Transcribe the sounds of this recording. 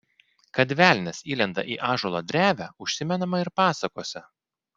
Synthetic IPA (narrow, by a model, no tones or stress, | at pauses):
kɐd̪ʲʋʲæˑlʲnʲɛsiːlʲɛnd̪ɐ̰ʔiːʔɑːʒoːlˠɐd̪ʲɾʲæːʋʲæʊʃʲsʲɪmʲɛnɐmɐɪɾpɑːsɐkoːsʲɛ